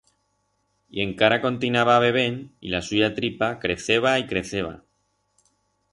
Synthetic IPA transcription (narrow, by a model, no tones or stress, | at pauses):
ie̞ŋkaɾako̞nt̪inaβaːβ̞e̞β̞e̞nḭlasuʝat̪ɾipakɾe̞θeβ̞aikɾe̞θe̞β̞a̰